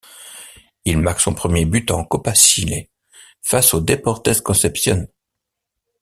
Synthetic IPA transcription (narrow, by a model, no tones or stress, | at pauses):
ilmaʁksɔ̃pχəmjebyt̪ɑ̃kɔpasile | fasod̪epɔʁt̪ɛskɔ̃sɛpsjɔn